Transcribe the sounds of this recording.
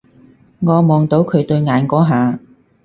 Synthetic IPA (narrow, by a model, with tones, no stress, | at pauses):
ŋɔː˨˧mɔː˨ŋt̪o˨˥wkʰɵ˨˧ɥt̪ɵ˧ɥŋaː˨˧nkɔː˨˥ɦaː˨˧